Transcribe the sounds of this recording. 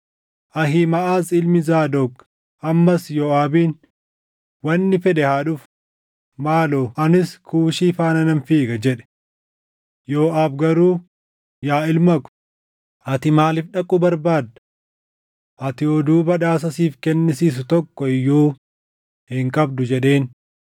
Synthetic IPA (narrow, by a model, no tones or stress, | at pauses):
ʔɐɦɪmɐʔaːzɪlmɪzaːd̪ɔk | ʔɐmːɐsjoːaːbiːn | wɐnːɪfɛᶑɛhaːᶑʊf | maːloʔɐnɪskʰuːʃiːfaːnɐnɐnfiːɡɐd͡ʒɛᶑɛ̥ | joːʔaːbɡɐɾuː | jaːɪlmɐkʊ̥ | ʔɐt̪ɪmaːlɪfɗɐkʼːʊbɐɾbaːd̪ɐ̥ | ʔɐt̪ɪɔd̪uːbɐᶑaːs̬ɐsiːfkɛnːɪsiːs̬ʊt̪ɔkːɔɪjːuː | hɪŋkʼɐbd̪ʊd͡ʒɛᶑe̞ːn